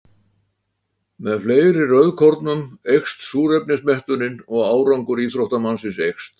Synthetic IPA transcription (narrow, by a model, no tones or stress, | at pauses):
mɛðfleːjɾɪrœðkʰɔɾt̪nʏmejxst̪suːɾɛp̚nɪsmɛht̪ʏɾɪnɔɣaːwɾawŋkʏɾiːθɾoht̪amansɪnsejxst̪